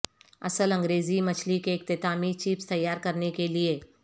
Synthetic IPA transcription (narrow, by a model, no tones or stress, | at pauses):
ɐ̰səlɐ̃ŋɡɾeːzimɐt͡ʃʰlikeɪk̚t̪ɪt̪aːmit͡ʃiːpst̪ɐjːaːɾkɐɾnekelie